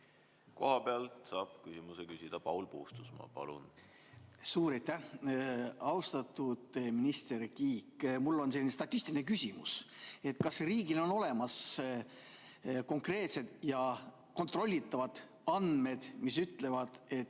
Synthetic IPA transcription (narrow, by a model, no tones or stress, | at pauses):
ko̞̰hɑpeɑlt̪sɑːb̥̚kysʲimusekysʲid̪̥ɑpɑwlpuːst̪u̥smɑ̰pɑ̰lṵn | suːɾɑjt̪ːæh | ɑwst̪ɑt̪ːˑud̪̥minist̪e̞rkiːkːmulːo̞nselːinest̪ɑt̪ʲːist̪iline̞kysʲimṵse̞t̪kɑsriːɡ̥ilo̞no̞le̞mɑs | ko̞ŋkre̞ːt̪se̞d̪̥jɑ | ko̞nt̪ro̞lʲːit̪ːˑɑvɑd̪̥ | ɑnd̪me̞d̪̥misyt̪ːˑle̞vɑd̪̥e̞t̪